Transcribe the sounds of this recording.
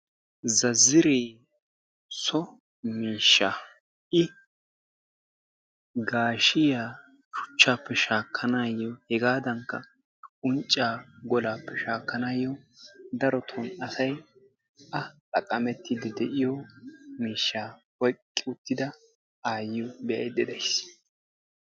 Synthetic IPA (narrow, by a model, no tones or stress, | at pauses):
zɐzːɪɾeː | sɔ | miːʃːa | ʔɪ | ɡaːʃɪjaː | ʃʊ̥t͡ʃːaːpːɛʃaːkʰːɐnaːjːɔhɛɡaːd̪ɐŋkːɐ̰ | ʊnt͡ʃʼːaːɡɔlaːpːɛʃaːkːɐnaːjːɔd̪ɐɾɔt̪ʰɔnɐsɐj | ʔɐlʼɐkʼːɐmɛt̪ːid̪ɪd̪ɛʔɪjɔmiːʃːaː | wɔkʼːɪʊt̪ːɪd̪ɐ | aːjɪjɔbɛʔɐ̰jd̪ɛd̪ɐjs